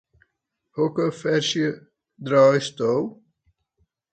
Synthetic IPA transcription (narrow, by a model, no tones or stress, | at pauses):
hokəfɛrsjə | drɔːjstow